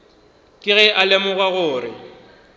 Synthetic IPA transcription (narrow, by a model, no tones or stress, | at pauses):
kʼɪɣɛʔalɛmʊɣaɣʊːrɪ̰